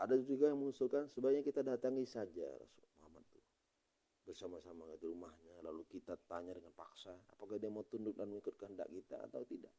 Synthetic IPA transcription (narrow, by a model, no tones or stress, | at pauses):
ʔadad͡ʒuɡajaŋməŋusulkansəbaaɲakit̪adat̪aŋisad͡ʒa̰ɾa̰sṵmoɦamat̪ːu | bərsamasamakədiɾumahɲalalukit̪at̪aɲadəŋanpaksaa̰pakahdiamaut̪undʊk̚danməŋikʊt̪̚kəɦənda̰ʔkit̪a̰a̰t̪awt̪idaʔ